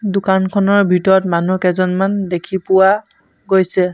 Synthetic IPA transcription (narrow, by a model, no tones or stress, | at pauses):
dʊkankʰɔnɔɹbʱitɔɹɔtmanukɛzɔnmandekʰipʊwa | ɡojsɛ